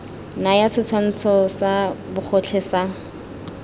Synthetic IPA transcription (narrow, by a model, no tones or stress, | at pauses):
najasɪt͡sʰwan̩t͡sʰɔsabʊχʰɔt͡ɬʰɛsa